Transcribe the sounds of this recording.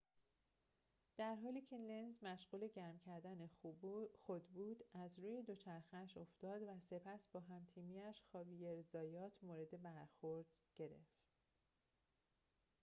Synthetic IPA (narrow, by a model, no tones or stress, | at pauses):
d̪̥æɾɦɒːliːcʰelenzmæʃɢuːle̞ɟæɾmcʰæɾd̪ænexod̪buːd̪̥æzɾuːje̞d̪o̞t͡ʃʰæɾxeæʃo̞ft̪ɒːd̪væse̞pʰæsbɒːɦæmt̪ʰiːmiːæʃxɒːbiːjeɾezɒːjɒːt̪ʰmoːɾe̞d̪e̞bæɾxoɾd̪̥ɟ̥e̞ɾe̞̰ft̪